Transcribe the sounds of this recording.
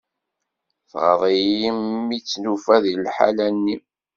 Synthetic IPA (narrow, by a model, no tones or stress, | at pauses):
θʁəðˤijimːit͡sːnufæðlħa̰lænːi